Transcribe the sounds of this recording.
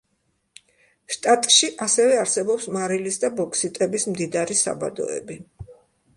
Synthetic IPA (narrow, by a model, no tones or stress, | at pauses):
ʃt̪ʼat̪ʼʃiʔasɛvɛaɾsɛbɔpsmaɾilisd̪abɔkʰsit̪ʼɛbismd̪id̪aɾisa̰ba̰d̪ɔ̰ɛ̰bi